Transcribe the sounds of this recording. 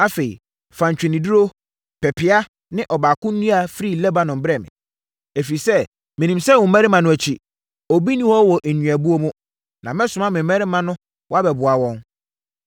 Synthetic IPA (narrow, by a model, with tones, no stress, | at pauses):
a˦fe˨ḭ˨ | fã˨ɲ˨t͡ɕᶣɪ˨nĩ˨du˦ɾo˦ | pʰɛ˨pʰɪ˨a˦ | nɪ̃˦ʔɔ˨baː˨kʊ̃˦nĩ˦a˨fɾi˦˨lɛ˦ba˦nʊ̃˨m̩˨bɾɛ˨mɪ̰̃˨ | e˨fi˨sɛ˦ | mɪ̃˨nĩ˨msɛ˦˨wʊ̃˨˦mæ̃˦ɾɪ˦mã˨nʊ̃˦æ˨t͡ɕʰi˦ | ɔ˨bi˦nĩ˦hɔ˦wɔ˨ʔɲɥ̃æ˨bu˦o˦mũ˦ | nã˨mɛ̃˦sʊ˨mã˦mɪ̃˨m˦mɛ˦ɾɪ˦mã˦nʊ̃˦ | wɔ˦a˦bɛ˨bʊ˨a˨wɔ̃˦n